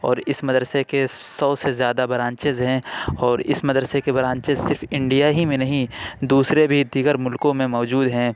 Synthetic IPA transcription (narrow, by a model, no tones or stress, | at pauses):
ɔ̰ːɾɪsmɐd̪ɾəsekesɔːsezjaːd̪abɐɾãːnt͡ʃɪzɦɛ̃ːɔːɾɪ̰smɐd̪ɾəsekebɐɾãːɲt͡ʃɪzsɪɾfɪ̃ɳɖijaɦimẽnɐɦĩd̪uːsɾebʱid̪iːɡəɾmʊlkõmẽmɔːd͡ʒuːd̪ɦɛ̃ː